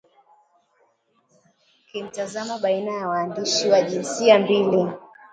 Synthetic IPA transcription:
kim̩tazamaɓainajawaːndiʃiwaʄinsiambili

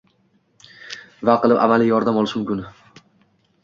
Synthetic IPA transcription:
vaqʰɨlˠɪpa̰malijɒɾd̪amɒlˠɪʃmʊmkʲʊn

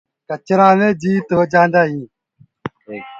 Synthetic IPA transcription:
kət͡ʃɾãːmẽːd͡ʒiːt̪ɦoːd͡ʒãːnd̪aːɦĩː

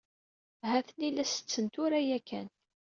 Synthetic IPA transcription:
hæθənilæsə̥t͡sːənt̪ʊɾæjækːæn

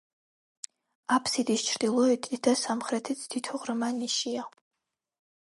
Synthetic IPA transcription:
apʰsidiʃt͡ʃʰrdiloitʰidʰɐsamχrɐtʰɨt͡sʰd̥itʰʊʁʷrɨmaniʃijaq

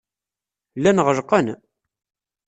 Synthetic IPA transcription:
lːænʁəʒqːən

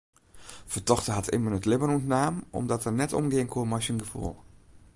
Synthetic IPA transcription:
fətɔxtəɦatʰɪ̰mənətlɪbənuntnaːmɔ̰mdɔtɛrnɛtɔ̰mɡɪəŋkʰuəmajsənɡəfṵlˠ

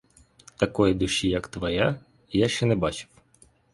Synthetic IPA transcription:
t̪ɐkɔjid̪ʊʃijɐkt̪ʋɐja | jaʃt͡ʃɛnɛbɑt͡ʃɪ̥w

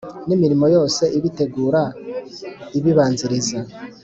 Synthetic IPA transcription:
nimiɾimo̞jo̞ːse̞ʔiβite̞ɡuːɾa | iβiβaːnziɾiza

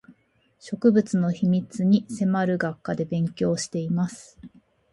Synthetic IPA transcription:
ɕo̞kɯ̟bɯ̟t͡sɨno̞çimʲit͡sɨɲ̟ise̞maɾɯ̟ɡakːad̪e̞bẽ̞ŋkʲo̞ːɕi̥t̪e̞imasɨ̥

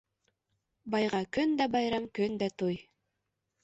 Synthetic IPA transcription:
bɑjʁɑkɵnd̪æbɑjɾɑmkɵnd̪æt̪oj

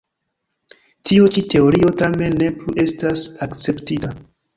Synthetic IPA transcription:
tiut͡ʃite̞o̞ɾio̞tame̞nːe̞pluʔe̞stasakt͡se̞ptita

